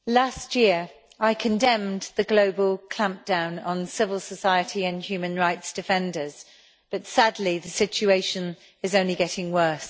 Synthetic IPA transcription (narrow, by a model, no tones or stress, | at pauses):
lastjɪəɹ | aɪkʰə̃ndɛ̃mðəɡloʊbəlˠkʰl̥ãmp̚d̥ãʊ̃nə̃nsɪvəlˠsəsaɪətʰiə̃nhjʉːmə̃nɹaɪtsd̥ɪfɛ̃ndəz̥ | b̥ʌtsadˡliðəsɪt͡ʃueɪʃə̃n | ɪzə̃ʊ̃nliɡɛtɪ̃ŋwɜˑs